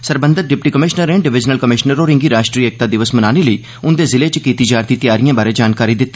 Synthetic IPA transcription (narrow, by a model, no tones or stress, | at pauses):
səɾbə̃nd̪ət̪̚ɖɪpʈiːkəmɪʃnəɾẽɳɖɪʋɪd͡ʒnəlkəmɪʃnəɾoːɾɪ̃ŋɡiːɾaːʃʈɾiːek̚t̪aːd̪ɪʋəsmənaːneləiː | ʊnd̪eːzɪleːt͡ʃəkiːt̪iːd͡ʒaːɾt̪iːt̪ɪjaːɾɪjãːbaːɾeːd͡ʒaːnkaːɾiːd̪ɪt̪ː